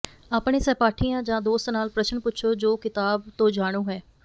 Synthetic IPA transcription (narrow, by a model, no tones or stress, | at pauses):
ɐpnesɛpaːʈʰijãːd͡ʒãːd̪oːst̪naːlpɾəʃənpʊtːʃʰod͡ʒoːkɪt̪aːbt̪od͡ʒaːɽ̃õɦɛː